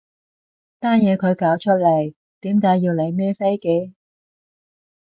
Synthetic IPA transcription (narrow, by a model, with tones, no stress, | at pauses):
t̪aː˥njɛː˨˧kʰɵ˨˧ɥkaː˨˥wt͡ʃʰɵ˥t̚le˨˩j | t̪iː˨˥mkaː˨˥jiː˧wle˨˧jmɛː˥sɐ˥jke˧j